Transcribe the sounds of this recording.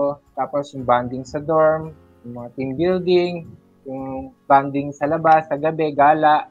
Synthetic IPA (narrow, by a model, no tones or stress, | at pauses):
t̪aːposjʊŋband̪ɪŋsɐd̪oɹm | jʊŋmɐŋat̪ɪmbɪld̪ɪŋ | jʊŋband̪ɪŋsɐlɐbasːɐɡɐbɛɡaːlaʔ